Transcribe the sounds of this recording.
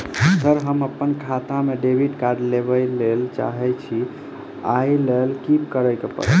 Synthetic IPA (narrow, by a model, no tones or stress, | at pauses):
səɾɦəməpːənkʰat̪ameɖebʱiɖkaɾɖlebəlelt͡ʃa̰ɦɛt͡ʃʰi | ajlelkipkəɾəjkepə̰ɾə̰